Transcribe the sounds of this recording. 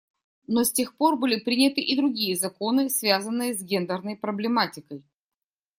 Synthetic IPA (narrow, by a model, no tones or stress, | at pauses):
nosʲtʲe̞xpo̞rbɨlʲɪpɾʲinʲɪt̪ɨʔɪd̪ɾʊɡʲijəzɐko̞nɨsvʲazənːɨjəzɡʲe̞nd̪ərnəjpɾəblʲɪmatʲɪkəj